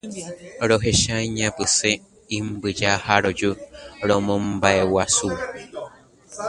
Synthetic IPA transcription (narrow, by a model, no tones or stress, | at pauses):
ɾoɦeʃaiɲãpɨse | imbɨd͡ʒahaɾod͡ʒuɾomõmbaewasu